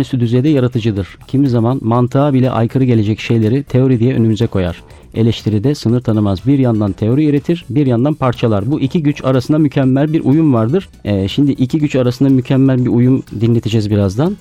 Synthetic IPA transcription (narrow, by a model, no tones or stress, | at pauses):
syd̪yzejd̪ɛjaɾat̪ʰɯd͡ʒɯd̪ɯɾ̥cʰimizamanmant̪ʰɯaːbilʲɛ̰ʔa̰jkʰɯɾɯɟelʲed͡ʒɛcʃe̞jlʲe̞ɾit̪ʰe̞o̞ɾid̪ijɛʔønymyzɛkʰo̞ja̰ɾ̥ | e̞lʲɛʃt̪ʰiɾid̪ɛsɯnɯɾt̪ʰanɯmazbiɾjand̪ant̪ʰe̞o̞ɾiøɾet̪ʰiɾbiɾjand̪anpʰaɾt͡ʃʰalˠaɾbuʔicʰiɟyt͡ʃaɾasɯnd̪amycʰɛmːælʲbiɾʔujumvaɾd̪ɯɾ̥ | ɛʃimd̪iʔicʰiɟyt͡ʃaɾasɯnd̪amycʰɛmːælʲbiɾujumd̪inːʲe̞t̪ʰid͡ʒɛzbiɾazd̪an